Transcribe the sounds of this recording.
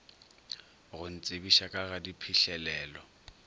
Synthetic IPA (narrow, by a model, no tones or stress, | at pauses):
ɣʊn̩t͡sʼebiʃakʼaɣadipʰiɬɛlɛːlɔ